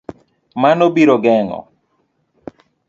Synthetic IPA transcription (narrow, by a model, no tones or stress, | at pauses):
manobiɾɔɡɛŋɔ̰